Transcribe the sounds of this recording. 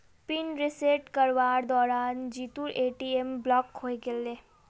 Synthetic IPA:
pinɾɪseʈkəɾʋaːɾd̪ɔːɾaːnd͡ʒiːt̪uɾeːʈiemblɔːkhoeɡele

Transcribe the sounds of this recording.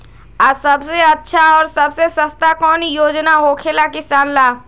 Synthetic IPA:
asɐbseɐtːʃʰaɔːɾsɐbsesɐst̪akɔːnjoːd͡ʒnaɦokʰelakɪsaːnlaː

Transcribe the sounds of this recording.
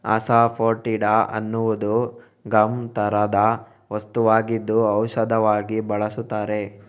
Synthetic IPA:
ɐ̰sapʰoːɾʈiɖaɐ̰nːuʋud̪u | ɡɐmt̪ɐɾɐd̪ɐ | ʋɐst̪uʋaːɡid̪ːuɐwʃɐd̪ʱɐʋaːɡibɐɭɐsut̪ːaːɾe̞

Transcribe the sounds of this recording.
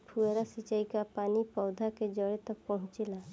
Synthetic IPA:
pʰueɾasit͡ʃaikapaːnipɔʊd̪ʱaked͡ʒəɽet̪ək̚pəɦʊ̃t͡ʃela

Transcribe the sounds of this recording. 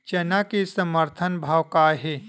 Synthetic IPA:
t͡ʃɐnakesəməɾt̪ʰənbʱaːwkaɦe

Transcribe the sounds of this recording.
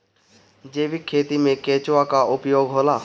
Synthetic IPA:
d͡ʒeːʋikʰeːt̪imẽkeːt͡ʃʋakaʔʊpjoːɡɦoːlaː

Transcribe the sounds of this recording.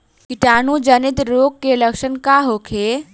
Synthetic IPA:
kiʈaːnũd͡ʒənit̪ɾoːkːeləkʃənkaɦoːkʰeː

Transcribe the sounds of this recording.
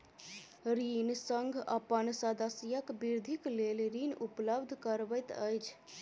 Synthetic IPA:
ɾinsəŋɡʱəpənsəd̪əsjəkbiɾd̪ʱiklelɾinupləbd̪ʱkəɾbəjt̪əjt͡ʃʰ

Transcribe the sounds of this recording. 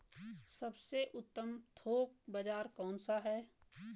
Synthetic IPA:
sɐbseʔʊt̪ːəmt̪ʰoːk̚bad͡ʒaːɾkɔːnsaɦɛː

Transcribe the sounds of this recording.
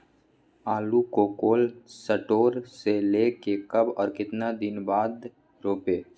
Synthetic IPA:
aːlukoːkoːlsəʈoːɾseleːkekɐbɔːɾkɪt̪nad̪ɪnbaːd̪ | ɾoːpeː

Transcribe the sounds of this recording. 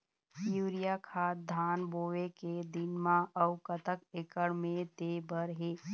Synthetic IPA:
juːɾijakʰaːt̪̚d̪ʱaːnboːʋeked̪ɪnmãəʊkət̪əkekəɽmẽt̪eːbəɾɦeː

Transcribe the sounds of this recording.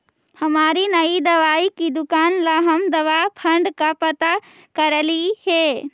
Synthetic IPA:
hɐmaːɾinɐid̪ɐʋaːikid̪ʊkaːnlaɦɐmd̪ɐʋapʰɐ̃ɳɖkapɐt̪a | kɐɾliheː

